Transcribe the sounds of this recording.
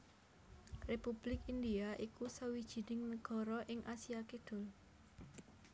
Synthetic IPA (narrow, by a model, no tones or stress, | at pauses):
repub̥lɪkindiaʔikusəwid̥ʒ̥i̤nɪŋnəɡ̥ɔ̤ɾɔʔɪŋʔasiaked̪̥ʊ̤l